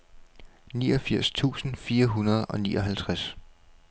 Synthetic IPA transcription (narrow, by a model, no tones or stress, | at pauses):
niːɒ̽fiɐ̰st͡sʰṵːsn̩fiːɐɦunɐð̞ˠɒ̽niːʔɒɦælt͡sʰʁas